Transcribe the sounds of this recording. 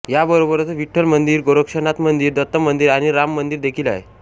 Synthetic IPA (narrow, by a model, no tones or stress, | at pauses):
jabəɾobəɾət͡səʋiʈʰːəlmənd̪iːɾɡoɾəkʂənat̪mənd̪iːɾd̪ət̪ːəmənd̪iːɾaɽ̃iɾamːənd̪iːɾd̪ekʰiːla̰ɦḛ